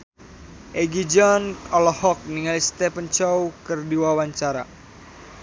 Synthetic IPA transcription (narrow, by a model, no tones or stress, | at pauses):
ʔɛɡid͡ʒɔnɔlɔhɔk̚niŋalist̪ɛpənt͡ʃɔwkərdiwawaɲt͡ʃaɾa̰